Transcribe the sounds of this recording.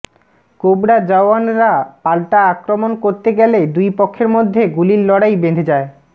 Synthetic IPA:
kobɽad͡ʑaoanɾapalʈaakɾomonkoɾt̪eɡɛled̪ujpokʰːeɾmod̪ʱːeɡulilːɔɽajbed̪ʱed͡ʑae

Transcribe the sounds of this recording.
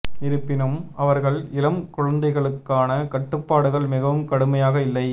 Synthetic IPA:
ɪɾɯpːɪnɯmɐʋɐɾɣɐɭɪlɐmkʊɻɐnd̪ɐɪɣɐɭɯkːaːnɐkɐʈːɯpːaːɽɯɣɐɭmɪɣɐʋɯmkɐɽɯmɐjaːɣɐɪlːɐɪ

